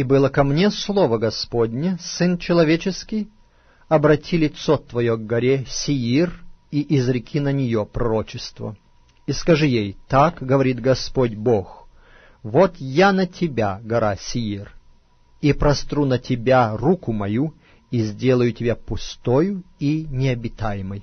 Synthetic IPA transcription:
ibɨlˠəkɐmnʲe̞slˠovəɡɐspodʲnʲəsɨnt͡ɕɪlˠɐvʲet͡ɕɪskʲɪj | ɐbɾɐtʲilʲɪt̪sot̪vɐjoɡɡɐɾʲesʲɪiriʔɪzɾʲɪkʲʰinənʲɪjopɾɐɾo̞t͡ɕɪst̪və̰ | iskɐʐɨjejt̪akɡəvɐɾʲit̪ɡɐspodʲbox | vot̪janɐtʲʰɪbʲaɡɐɾasʲɪir | ipɾɐst̪ɾunətʲɪbʲarukʊmɐju | izʲdʲelˠəjʊtʲɪbʲapʊst̪ojʊinʲɪɐbʲɪt̪ajɪməj

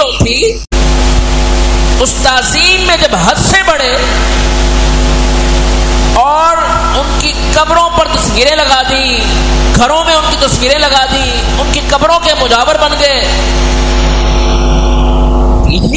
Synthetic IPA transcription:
õt̪ʰi | ʊst̪aːziːmːẽd͡ʒɐbɦɐd̪sebɐɽe | ɔːɾ | ʊnkikɐbɾõpɐɾt̪ɐsʋiːɾẽlɐɡaːd̪ĩ | ɡʱɐɾõmẽʊnkit̪ɐsʋiːɾẽlɐɡaːd̪ĩ | ʊnkikɐbɾõkemʊd͡ʒaːʋəɾbɐnɡɐeː

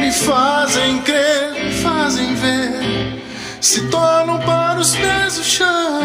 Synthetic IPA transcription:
ɪfazẽj̃kɾefazẽj̃ve | sɪt̪ɔɾnɐ̃w̃paɾʊspezʊʃɐ̃w̃

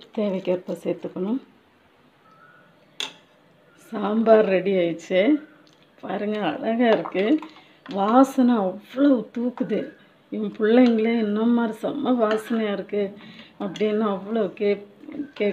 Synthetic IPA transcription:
t̪eːʋɐɪkːeːɾpːɐːseːɾt̪ːɯkːɐɳʊ̃ | saːmbaːɾɾɛɽiaːjt͡ʃːɯ | paːɾɯŋɡɐːɭɐɣɐɪɾɯkːɯ | ʋaːsɐnɐ̃ɐʋːɐɭot̪uːkːɯðɯ | ɪpʊɭːɐŋɡɐɭeɛnːɐmːaːɾisɐmːɐʋaːsɐnɐaːɪɾɯkːɯɐpːɐɽɪnːãɐʋːɐɭokː | keː

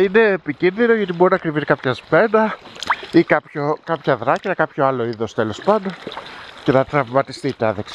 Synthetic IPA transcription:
ine̞ːpicinðino̞ʝɐt̪imonoɐkɾivit̪ekɐpçɐzme̞nɐ | ikɐpçokɐpçɐðɾɐciɐkɐpçoɐlo̞iðo̞st̪elo̞spɐnd̪o̞nce̞nɐt̪ɾɐvmɐt̪ist̪it̪eɐðeksi

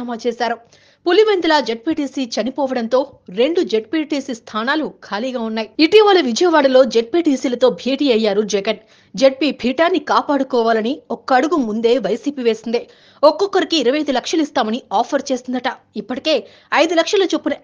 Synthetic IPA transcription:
maːt͡ʃeːsaːɾu | pulimend̪ɐlaːd͡ʒe̞ʈ̚piːʈiːsiːt͡ʃɐnipɔːʋɐɽɐnt̪o̞ːɾe̞ɳɖud͡ʒe̞ʈ̚piːʈiːsist̪ʰaːnaːlukʰaːliːɡaːunːaːjiiʈiʋaːlɐʋid͡ʒɐjɐʋaːɽɐlo̞ːd͡ʒeʈ̚piːʈiːsiːlɐt̪o̞ːbʱeːʈiːɐjːaːɾud͡ʒɛɡɐn | d͡ʒeʈ̚piːbʱiːʈaːnːikaːpaːɽukɔːʋaːlɐniɔkːɐɐɽuɡumund̪e̞ːʋɐjsiːpiːʋeːsind̪eː | ɔkːɔkːɐɾikiːɾɐʋɐjd̪ulɐkʂɐlist̪aːmɐniaːpʰɐɾt͡ʃe̞ːsind̪ɐʈɐipːɐʈike̞ː | ɐjd̪ulɐkʂɐlɐt͡ʃopːunɐ

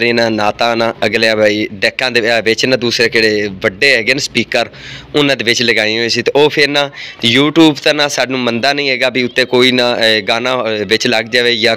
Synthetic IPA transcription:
ɾẽːnãːnaːt̪ãːnãːəɡleːãːbʱaːiːɖɛːkːãːd̪eːʋɪt͡ʃnãːd̪uːsɾeːkeɽeːʋəɖːeːɦɛːɡeːnːspiːkəɾʊnãːd̪eːʋɪt͡ʃləɡaːĩɦoẽːsiːt̪eːoːpʰɪɾnãːjuːʈjuːbt̪ãːnãːsaːɖnũːmənd̪aːnəĩːɦɛːɡaːbiːʊt̪ːẽːkoːiːnãːɡaːnãːʋɪt͡ʃləɡd͡ʒaːʋeːjãː

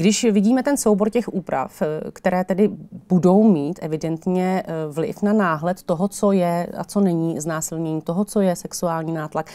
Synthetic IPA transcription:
ɡdɪʃvɪɟiːmɛt̪ɛnsowbo̞ɾcɛxʔuːpɾa̰fkt̪ɛɾɛːt̪ɛdɪbudo̞wmiːt̪ʔɛvɪdɛnt̪ɲɛvlɪ̰fnanaːɦlɛt̪t̪oɦot͡sojɛa̰t͡sonɛɲiːznaːsɪlɲɛɲiːt̪o̞ɦot͡so̞jɛsɛksuaːlɲiːnaːt̪lak

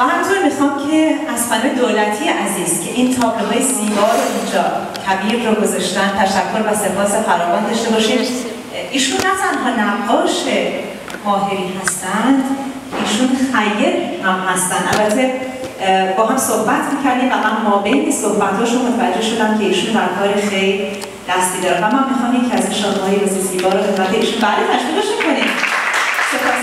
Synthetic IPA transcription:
bæhæmt̪ʰuɾmixɒːmcʰe̞æzxæled̪oːlæt̪ʰijeʔæziːz̥cʲʰe̞ʔint̪ʰɒːbloɦɒːjesiːbɒːɾoʔind͡ʒɒː | cʰæbiːɾɾoɡo̞zɒʃt̪ænt̪ʰæʃækʰːolvæse̞pʰɒːse̞fæɾɒːvɒːnd̪ɒʃt̪e̞bɒːʃiːm | iːʃunːæt̪ʰænɦɒːnæqːɒːʃe̞ | hɒːɦe̞ɾiːhæst̪ænd̪ | iːʃunxæjːeɾhæmhæst̪ænd̪ʔælbæt̪ʰːe̞ | bɒːɦæmsohbæt̪ʰmiːcʰæɾd̪iːmvæmænmɒːbeinesohbæt̪hɒːʃunmot̪ʰævæd͡ʒːe̞hʃo̞d̪æmcʰe̞iːʃund̪æɾkʰɒːɾexe̞jl | d̪̥æst̪iːd̪ɒːɾevæmːæmːixɒːmjecʰiæziʃɒːnhɒːjebesisiːbɒːɾobefæt̪ʰːeiːʃunbælet̪ʰæʃkileʃmiikʰoni | sepʰɒs

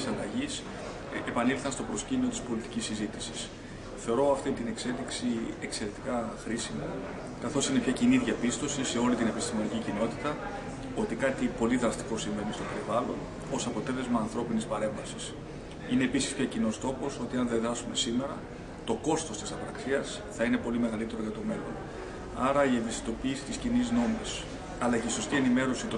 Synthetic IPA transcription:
sɐlɐʝis | epɐnilθɐnst̪o̞pɾo̞scimio̞t̪i̥spo̞lit̪icisizit̪isi̥s | θe̞o̞ɾo̞ɐft̪int̪ine̞kse̞liksie̞kse̞ɾe̞t̪i̥kɐxɾisimo̰ | kɐθo̞sine̞pçɐciniðʝɐpist̪o̞sise̞o̞lit̪ine̞pist̪imo̞nicicino̞t̪it̪ɐ | o̞t̪ikɐt̪ipo̞liðɾɐst̪i̥ko̞siɱve̞nist̪ope̞ɾivɐlo̞̰n | o̞sɐpo̞t̪e̞le̞zmɐːnθɾo̞pinispɐɾe̞ɱvɐsis | ineːpisi̥spçɐcino̞st̪o̞po̞so̞t̪iɐnðeðɾɐsume̞sime̞ɾɐ | t̪o̞ko̞st̪o̞st̪isɐpɾɐksiɐs | θɐine̞po̞lime̞ɣɐlit̪e̞ɾo̞ʝɐt̪o̞me̞lon | ɐɾɐievisi̥t̪o̞piːsi̥t̪iscinizno̞mis | ɐlɐceiso̞st̪ie̞nime̞ɾo̞sit̪o

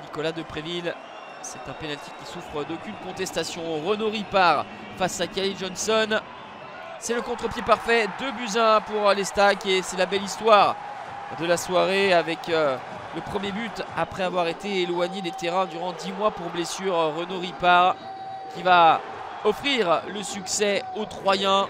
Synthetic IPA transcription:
nikɔlad̪əpχevil | sɛt̪ɛ̃penalt̪i̥kʲːisufχəd̪okʲynkɔ̃t̪ɛst̪asjɔ̃ʁənoʁipaʁ | fasakaʁiʒɔnsɔn | sɛləkɔ̃t̪χəpjepaʁfɛd̪əbyzɛ̃puʁlest̪akesɛlabɛlist̪waʁ | d̪əlaswaʁeavɛkø | ləpχəmjebyt̪apχɛavwaʁet̪eːlwaɲed̪et̪eʁɛ̃d̪yʁɑ̃d̪imwapuʁblesyʁʁənoʁipaʁ | kʲiva | ɔfχiʁləsyksɛot̪χwajɛ̃

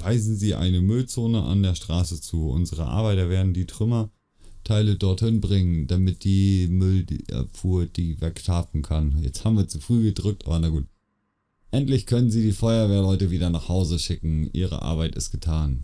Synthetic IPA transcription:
v̥aɪzn̩ziːʔa̰ɪnəmʏlt͡soːnəʔa̰ndeːɐʃtʁ̥aːsət͡suːʔʊ̰nzəʁəʔa̰ɐbaɪtɐveːɐdn̩diːtʁ̥ʏmɐ | tʰaɪlədɔɐthɪnbʁɪŋənd̥amɪt̚d̥iːmʏlɛ̰fuːɐt̚d̥iːvɛktʰaːfn̩kʰanjɛt͡sthaːbm̩viːɐt͡sufʁ̥yːɡədʁʏk̚tʔa̰ːbɐnaɡuːt | ʔɛntlɪçkʰœnənziːdiːfɔʏɐveːɐlɔʏtəviːdɐnaːχhaʊzəʃɪkŋ̩ʔḭːʁə̰ʔa̰ɐβaɪtɪ̰stɡ̥ətʰaːn

